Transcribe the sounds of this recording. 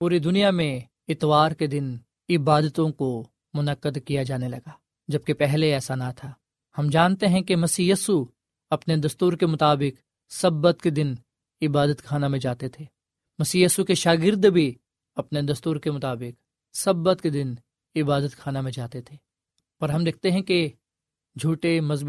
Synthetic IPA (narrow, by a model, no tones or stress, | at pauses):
puːɾid̪ʊnijamẽ | ɪt̪ʋaːɾked̪ɪn | ɪbaːd̪ət̪õko | mʊnəqːəd̪kijad͡ʒaːnelɐɡaː | d͡ʒɐb̚kepɛɦleɛːsanat̪ʰaː | hɐmd͡ʒaːnt̪eɦɛ̃kemɐsiːjisu | ɐpned̪ɐst̪uːɾkemʊt̪aːbɪk | sɐbːət̪ked̪ɪn | ɪbaːd̪ət̪kʰaːnamẽd͡ʒaːt̪et̪ʰeː | mɐsiːjiːsukeʃaːɡɪɾd̪bʱi | ɐpned̪ɐst̪uːɾkemʊt̪aːbɪq | sɐbət̪ked̪ɪn | ɪbaːd̪ət̪kʰaːnamẽd͡ʒaːt̪et̪ʰeː | pɐɾɦɐmd̪ek̚ʰt̪eɦɛ̃ke | d͡ʒʱuːʈemɐz